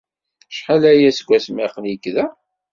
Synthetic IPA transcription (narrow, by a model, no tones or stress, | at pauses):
ʃχalæjæsɡʷːæsmɪqənjəkːðæ